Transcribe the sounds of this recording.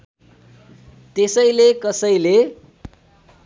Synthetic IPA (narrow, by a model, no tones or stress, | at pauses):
t̪esʌjlekʌsʌjle